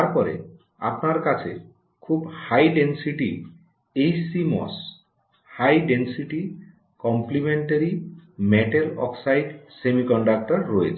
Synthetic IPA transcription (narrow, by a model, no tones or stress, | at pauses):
taɾpɔɾḛ | a̰pnaɾkat͡ʃʰḛ | kʰubhajɖensiʈi | ejsimɔ̰s | hajɖensiʈi | kɔmplimeɳʈaɾimeʈelɔ̰ksajɖsemikɔɳɖak̚ʈɔɾːɔjet͡ʃʰ